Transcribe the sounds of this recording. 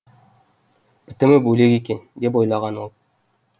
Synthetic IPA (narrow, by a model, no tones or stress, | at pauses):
b̥ɪ̆t̪ɪ̆mɪbɵle̞kekʲend̪e̞p̬o̞jlˠɑʁɑnwolˠ